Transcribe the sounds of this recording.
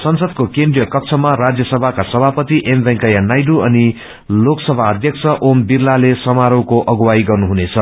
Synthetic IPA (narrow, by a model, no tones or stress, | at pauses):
sʌnsʌd̪kokendrijʌkʌkt͡sʰʌmaɾad͡zjʌsʌbʱakasʌbʱapʌt̪iʔembʌŋkʌjanajɖuʌni | loksʌbʱaʌd̪ʱjʌkt͡sʰʌʔombirlalesʌmaɾowkoʔʌɡwaiɡʌrnuɦunet͡sʰʌ